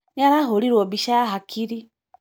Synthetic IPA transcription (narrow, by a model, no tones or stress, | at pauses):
naβaɦoliɾwobiʃaaɦakʰiɾi